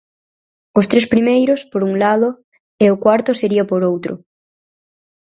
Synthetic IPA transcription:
ʊst̪ɾespɾimejɾʊspoɾuŋlaðʊ | eʊkwaɾt̪ʊseɾiɐpoɾowt̪ɾʊ̰

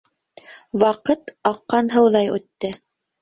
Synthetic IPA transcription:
wɑqɤt̪ɑqːɑnɦɤ̆wðɑjʉ̰t̪ːɘ

